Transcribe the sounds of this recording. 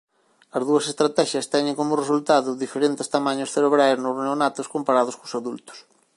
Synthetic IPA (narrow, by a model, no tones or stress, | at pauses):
ɐzðuɐsest̪ɾat̪ɛʃjɐst̪ɛɲɪ̃ŋkomʊresult̪aðʊðifeɾent̪ɪst̪amaɲʊsθeɾeβɾajznozneonat̪ʊskompaɾaðʊskʊsaðult̪ʊ̥s